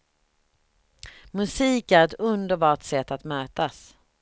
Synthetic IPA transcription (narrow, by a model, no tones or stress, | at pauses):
mɵsiːkæɾɛt̪ɵnd̪əɾbɑːʈsɛt̪ːat̪møːt̪as